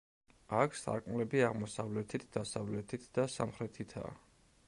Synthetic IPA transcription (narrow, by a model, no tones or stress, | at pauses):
akʰsʰa̰ɾkʼmlɛbiaʁmɔsavlɛt̪ʰit̪ʰd̪̥asavlɛt̪ʰit̪ʰd̪̥asa̰mχɾɛt̪ʰit̪ʰa̰ː